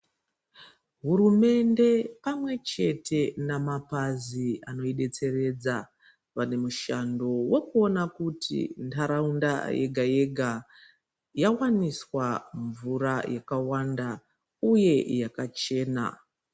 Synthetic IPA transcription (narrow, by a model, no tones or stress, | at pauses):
ɦuɾume̞nde̞pamwe̞t͡ʃe̞tʰe̞namapaziano̞iɗe̞t͡se̞re̞d͡za | ʋane̞muʃando̞we̞kuo̞nakutḭntʰaɾaunda̰jḛɡʱaje̞ɡʱa | jawaniswaɱvuɾajakawanda | uje̞jakat͡ʃe̞ːna̰